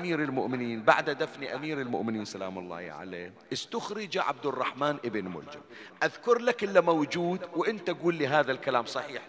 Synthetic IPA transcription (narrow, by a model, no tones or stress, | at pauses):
ʔamiːɾɪlmʊʔmɪniːnba̰ʕd̪had̪afniʔamiːɾɪlmʊ̰ʔmɪniːnsala̰ːmʊlˤːɑ̰ːhʕa̰lḛː | ʔɪst̪ʊxɾɪd͡ʒaʕa̰b̚d̪ɪrˤːɑħmaːnʔɪbɪnmʊ̰ld͡ʒɪ̰m | ʔaðkʊɾlakʔɪlːamawd͡ʒuːd̪wʔɪnt̪aʔaɡuːlːiːɦaːðalkalaːmsˤɑħiːħ